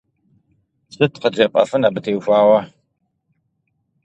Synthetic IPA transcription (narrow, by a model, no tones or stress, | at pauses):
sɨtqəd͡ʒɐqʼɐ̰fɨnaːbɨtʰeːwxʷaːwɐ